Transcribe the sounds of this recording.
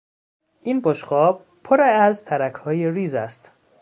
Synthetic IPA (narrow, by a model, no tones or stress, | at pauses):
ʔinboʃχɒːb̚ | pʰoɾeæzt̪ʰæɾækʰhɒːjeɾiːzæst̪